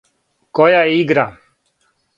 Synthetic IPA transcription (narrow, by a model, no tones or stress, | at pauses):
kojaiɡɾa